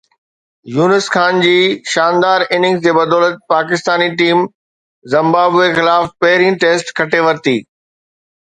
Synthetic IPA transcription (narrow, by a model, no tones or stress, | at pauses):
juːnəsxaːnd͡ʑiːʃaːnd̪aːɾɪnɪ̃ŋɡsd͡ʑeːbɐd̪ɔːlət̪̚paːkɪst̪aːniʈiːm | zɐ̃mbaːbexɪlaːfpɐɦɪɾĩʈeːsʈkʰɐʈeʋɐɾt̪iː